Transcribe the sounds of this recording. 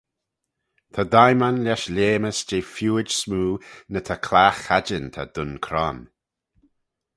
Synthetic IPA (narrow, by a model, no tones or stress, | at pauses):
t̪ʰad̪ajmanlaʃlʲeːməsd͡ʒeːfjuːɪd͡ʒsmuːnət̪ʰakʰlaːxad͡ʒənt̪ʰa̰d̪ʊnkʰɾɔ̰n